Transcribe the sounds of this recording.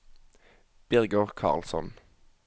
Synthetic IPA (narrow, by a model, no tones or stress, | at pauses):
b̥ɪʁɡɔʁkʰɑ̰ːʁlsɔ̰n